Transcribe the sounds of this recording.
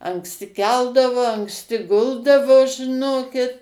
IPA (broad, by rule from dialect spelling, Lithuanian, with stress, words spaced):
ɐŋksʲˈtʲɪ ˈkʲɛlˠdɐʋoː ɐŋksʲˈtʲɪ ˈɡʊlˠdɐʋoː ʒʲɪˈnoːkʲɪt